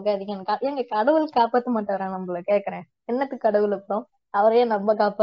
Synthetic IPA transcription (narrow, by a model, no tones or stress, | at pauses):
ɡaɐðɪŋɐnkɐɪŋɡɐkɐɽɐʋɯlkaːpaːt̪ːɯmaːʈːɐːɾãːnɐmːɐɭɐkeːʈkɐɾẽː | ɛnːɐt̪ːɯkːɐɽɐʋɯlɯpːɽõ | ɐʋɐɾɐjõːnɐmbɐkaːpa